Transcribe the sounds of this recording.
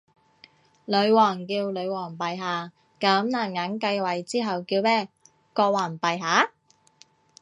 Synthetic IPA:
lɵ˨˧ɥwɔː˨˩ŋkiː˧wlɵ˨˧ɥwɔː˨˩ŋpɐ˨jɦaː˨˧ | kɐ˨˥mnaː˨˩nŋɐ˨˥nkɐ˧jwɐ˨˩jt͡siː˥ɦɐ˨wkiː˧wmɛː˥˩ | kɔː˧waː˨˩npɐ˨jɦaː˨˥

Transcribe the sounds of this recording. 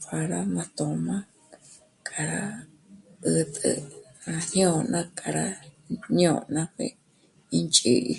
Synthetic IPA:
kʰa˧ɾa˦mã˧t̪õ˧mã˦ | kʼa˧ɾa˦ | ɨ˧t̪ʼɨ̰˧ | nã˧hjõ˦˨˧nã˦kʼa˧ɾa˦ | ɲõ˧˨nã˦kʷḛ˧ | i˧nt͡ʃʼi˧ʔi˧

